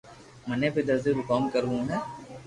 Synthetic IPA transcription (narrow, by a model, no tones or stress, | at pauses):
mɐneped̪ɐɾzeɾʊkaːmkɐɾbũɦɛ̃ː